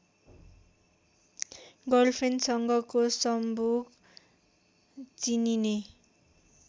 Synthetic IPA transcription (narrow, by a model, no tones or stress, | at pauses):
ɡʌlpʰensʌŋɡʌkosʌmbʱuɡ | t͡sinine